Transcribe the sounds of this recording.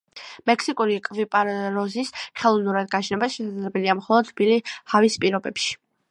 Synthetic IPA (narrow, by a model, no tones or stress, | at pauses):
mɛkʰsikʼuɾikʼvipʼaɾɾɔzisχɛlˠɔvnuɾad̪̚ɡat͡ʃʰnɛbasʃɛsad̪zlɛbɛliamχɔlˠɔd̪bilihavispʼiɾɔbɛpʃi̥